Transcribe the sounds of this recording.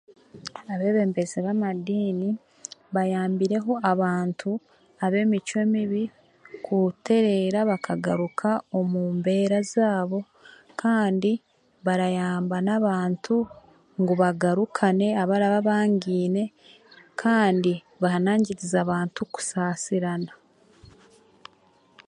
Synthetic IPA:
aβe̞ːβe̞ːmbe̞zeβamadiːni | βajaːmbiɾe̞ɦo̞aβaːntʰu | aβe̞ːmit͡ʃwe̞ːmiβi | kʰute̞ɾe̞ɾaβakʰaɡaɾukʰao̞muːmbe̞ːɾazaːβo̞ | kʰaːndi | βaɾajaːmbanaβaːntʰu | ŋɡuβaɡaɾukʰane̞aβaɾaβaβaːɲɡiːne̞ | kʰaːndi | βahanaːɲɟiɾizaβaːntuku̥saːsiɾana

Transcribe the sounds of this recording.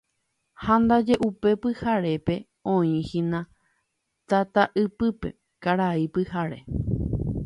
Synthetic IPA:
hãnd̪ad͡ʒe̞ʔupe̞pɨhaɾe̞pe̞ | õĩhĩnã | t̪at̪aʔɨpɨpe̞̰ | kaɾaipɨhaɾe̞

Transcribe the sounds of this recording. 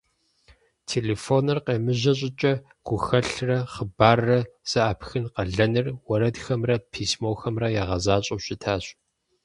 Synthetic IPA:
tʰeːleːfoːnɨrqeːmɨʑɐɕ̬ʼɪt͡ʃʼɐ | ɡ̥ʷʊxɐɬrɐχəbaːrːɐz̥ɐaːpxɨnqɐɮɐnɨrwɐɾɐdxɐmrɐpʰiːsmoːxɐmrɐjaːʁɐzaːɕʼɐwɕɪtʰaːɕ

